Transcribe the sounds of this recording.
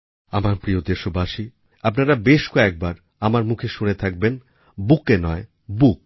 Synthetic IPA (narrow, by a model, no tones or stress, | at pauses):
amaɾpɾijod̪eʃobaʃi | apnaɾabeʃkɔɛk̚baɾ | amaɾmukʰeʃunet̪ʰak̚ben | bukenɔe | buk̚